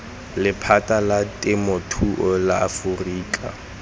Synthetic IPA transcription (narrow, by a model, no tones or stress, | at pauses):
lɪpʰatʼalatʼɪmɔtʰuʔɔlaafuriːkʼa̰